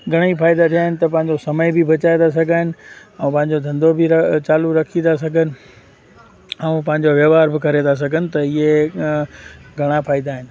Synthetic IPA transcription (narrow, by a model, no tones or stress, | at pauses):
ɡʱɐɽ̃ifaːɪd̪at̪ʰijaːɦɪnɪ̆t̪ɐpɐ̃ɦɪ̃ɲd͡ʑosɐməɪbʱɪbʱɐt͡ɕaːed̪as̬ɐɡʱaːɦɪnɪ̆ɛ̃ːpɐ̃ɦɪ̃ɲ̆d͡ʑod̪ʱɐ̃nd̪obʱɪɾɐt͡ɕaːluɾɐkʰid̪as̬ɐɡʱənɪ̆ | ɛ̃ːpɐ̃ɦɪ̃ɲ̆d͡ʑoʋjɐːʋaːɾbɪkɐɾed̪as̬ɐɡʱənɪ̆t̪ɐie | ɡʱɐɽ̃apʰaːɪd̪aːɦɪnɪ̆